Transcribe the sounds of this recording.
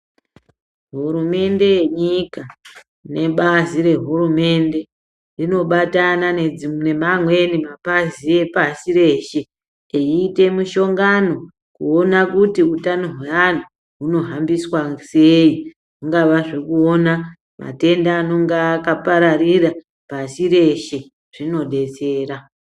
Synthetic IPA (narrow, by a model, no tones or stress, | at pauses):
ɦuɾume̞nde̞jeɲika | ne̞ɓaziɾe̞ɦurume̞nde̞ | rino̞ɓatanane̞d͡zimne̞mamwe̞nimapazie̞pasiɾe̞ːʃe̞ | eiːte̞muʃo̞ŋɡano̞ | kuo̞nakutiutanoɦwean̤u | ɦuno̞ɦambiswase̞i | uŋɡaʋaʐe̞kuo̞na | ma̰te̞ndaːno̞ŋɡakapaɾarira | pasiɾe̞ʃe̞ | ʐ̥ino̞ɗe̞t͡se̞ːɾa